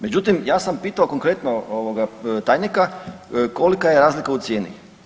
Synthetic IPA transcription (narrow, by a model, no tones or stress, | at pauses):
me̞d͡ʑut̪imjaːsampiːt̪aoko̞ŋkɾe̞t̪nooʋoɡat̪aːjnikako̞likajeɾaːzlikaut̪sje̞ːnḭ